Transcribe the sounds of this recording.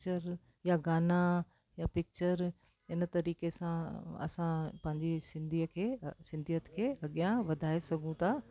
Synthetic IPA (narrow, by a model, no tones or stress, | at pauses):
t͡ɕəɾ | jaɡaːna | japɪk̚t͡ɕəɾ | ɪnt̪ɐɾiːkesãɐ̰sãpɐ̃ɦɪ̃ɲd͡ʑisɪ̃nd̪ʱikʰeːsɪ̃nd̪ʱijət̪kʰeːɐɠijãʋɐd̪ʱaːesɐɡʱũt̪ʰaː